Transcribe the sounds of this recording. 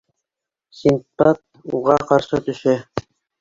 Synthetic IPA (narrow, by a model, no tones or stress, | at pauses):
sʲint̪pɑt̪̚ | ṵʁɑqɑɾʃɤt̪ɵ̆ʃæ